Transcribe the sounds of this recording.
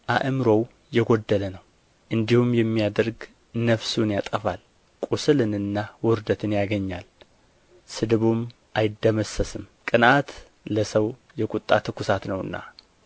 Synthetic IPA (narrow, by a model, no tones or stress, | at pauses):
ʔaʔɨmɾo̞w | jɛɡod̪ːələnəw | ʔɨnd̪ihumjɛmːijad̪əɾɡ | nəfsunjat̪ʼəfal | kʼusɨlɨnɨnːawɔɾd̪ət̪ʰɨnjaɡəɲːal | sɨd̪ɨβum | ʔajɪd̪ːəməsːəsɨmkʼɨnʔat̪ | ləsəw | jɛkʼut̪ʼːat̪ʰɨkːusat̪nəwɨ̰nːa̰